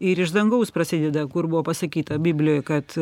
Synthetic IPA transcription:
ɪɾɪʒd̪ɐŋɡɐʊspɾɐsʲɪːd̪ʲɛd̪ɐkʊrbʊʋoːpɐsɐkʲiːt̪ɐbʲiːbʲlʲɪjoːjkɐt̪

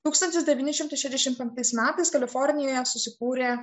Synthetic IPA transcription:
t̪uːkst̪ɐnʲt̪ʲɪsd̪ʲɛʋʲiːnʲɪʃʲɪmt̪ɐɪʃʲɛzʲd̪ʲɛʃʲɪmt̪pʲɛŋk̚t̪ɐɪsmʲæːt̪ɐɪskɐlʲɪfɔɾʲnʲɪjoːjɛsʊsʲɪkuːɾʲeː

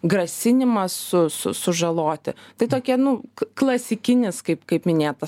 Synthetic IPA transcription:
ɡrɐsʲɪnʲɪmɐssʊsʊ̰sʊʒɐlˠoːt̪ʲɪ̰t̪ɐɪt̪oːkʲiɛnʊklˠɐsʲɪkʲɪnʲɪskɐɪpkɐɪpmʲɪnʲeːt̪ɐ

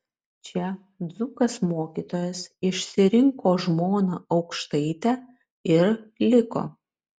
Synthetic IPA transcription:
t͡ʃʲɛ | d̪zuːkɐsmoːkʲiːt̪oːjɛsɪʃʲsʲɪɾʲɪŋkoːʒmoːnɑʔɒʊkʃt̪ɐɪt̪ʲæ | ɪɾlʲɪko̰ː

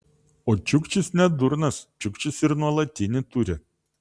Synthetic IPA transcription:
oːt͡ʃʲʊkt͡ʃʲɪsnʲɛd̪ʊɾnɐst͡ʃʲʊkt͡ʃʲɪsɪɾnuɔlˠɐt̪ʲɪnʲɪt̪uɾʲɪ

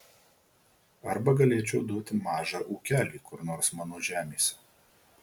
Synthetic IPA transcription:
ɐɾbɐɡɐlʲeːt͡ʃʲɛʊd̪uɔt̪ʲɪmɑːʒɑːʔuːkʲæːlʲiːkʊɾnoːɾsmɑːnoːʒʲæːmʲeːsʲɛ

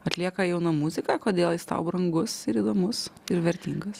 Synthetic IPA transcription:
ɐt̪ʲlʲiɛkɐjɛʊnɐmuzʲɪkɑːkoːd̪ʲeːlˠjɪst̪ɑ̰ʊbɾɐŋɡʊsɪɾiːd̪oːmʊsɪɾʋʲɛɾʲt̪ʲiːŋɡɐs

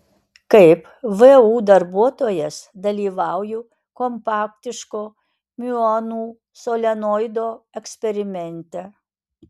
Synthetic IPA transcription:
kɐɪp | ʋɨuːd̪ɐɾbuɔt̪oːjɛsd̪ɐlʲiːʋɑˑʊju | kɔmpɑːkt̪ʲɪʃkoː | mʲʊɔnuː | soːlʲɛnoɪd̪oːɛksʲpʲɛɾʲɪmʲɛnʲt̪ʲɛ

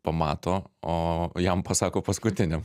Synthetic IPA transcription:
pɐmɑːt̪oːoːjɛmpɐsɑːkoːpɐskʊt̪ʲɪnʲɛm

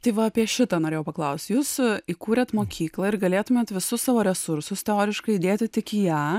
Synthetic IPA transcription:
t̪ɐɪʋɐɐpʲiɛʃʲɪt̪ɐːnoːɾʲeːjɛʊpɐklˠɐʊsʲt̪ʲjuːsiːkuːɾʲɛt̪moːkʲiːklˠɐɪɾɡɐlʲeːt̪ʊmʲeːt̪ʋʲɪsʊssɑːʋoːɾʲɛsʊɾsʊst̪ʲɛoːɾʲɪʃkɐɪd̪ʲeːt̪ʲɪt̪ʲɪkijæː

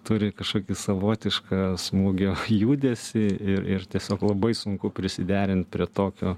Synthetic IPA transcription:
t̪ʊɾʲɪkɐʃkoːkʲisɐʋoːt̪ʲɪʃkɑːsmuːɡʲoːjuːd̪ʲeːsʲɪɪɾɪrt̪ʲiɛsʲoːklˠɐbɐɪsʊŋkʊpʲɾʲɪsʲɪd̪ʲæːɾʲɪnt̪̚pʲɾʲiɛt̪oːkʲoː

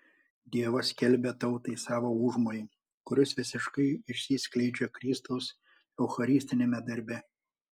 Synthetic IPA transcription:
d̪ʲiɛʋɐsʲkʲɛlʲbʲet̪ɒʊt̪ɐɪsɑːʋoːuːʒmoːjɪ | kʊɾʲɪsʋʲɪsʲɪʃkɐɪɪʃʲsʲiːsʲklʲɛɪd͡ʒʲokɾʲiːst̪ɐʊs | ɛʊxɐɾʲɪːsʲt̪ʲɪnʲemʲɛd̪ɐɾʲbʲɛ

